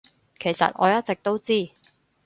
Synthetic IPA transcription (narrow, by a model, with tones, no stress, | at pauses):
kʰe˨˩jsɐ̰˨t̚ʔɔ̰ː˨˧jɐ˥t̚t͡sɪ˨k̚t̪o˥wt͡siː˥